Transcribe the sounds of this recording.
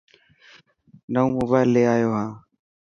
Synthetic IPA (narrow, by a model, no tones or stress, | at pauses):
nəũːmoːbaːɪlːeːaːjoːɦãː